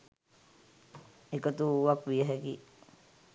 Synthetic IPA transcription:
ekət̪uʋakʋijəɦekḭ

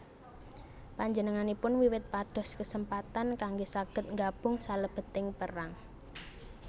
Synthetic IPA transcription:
paɲd͡ʒənəŋanipʊnwiwɪt̪̚pad̪̥ɔ̤skəsəmpat̪ankaŋɡosaɡ̥ə̤t̪̚ŋɡab̥ʊ̤ŋsaləb̥ə̤t̪ɪŋpəraŋ

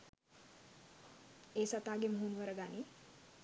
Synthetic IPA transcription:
esat̪aɡemɦunʋəɾəɡani

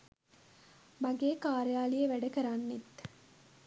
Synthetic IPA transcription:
maɡeːkaːɾejaːlijəʋæɖɐkəɾanːit̪

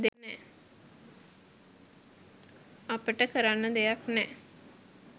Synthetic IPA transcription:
d̪enːɛ | apəʈəkəɾanːəd̪ejaknɛː

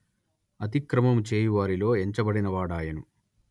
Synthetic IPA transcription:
ɐt̪̬ikɾɐmɐmt͡ʃeːjuʋaːɾilo̞ːeɲt͡ʃɐbɐɽinɐʋaːɽaːjɐnu

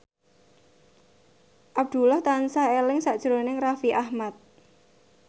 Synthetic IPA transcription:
ʔab̚d̪̥ṳlɔht̪ansahelɪŋsaʔd̥ʒ̥ɾonɪŋrafiʔahmat̪̚

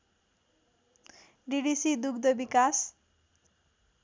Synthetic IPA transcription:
ɖiɽisid̪uɡd̪ʌbikas

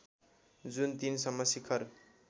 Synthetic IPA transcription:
d͡zunt̪insʌmːʌsikʰʌr

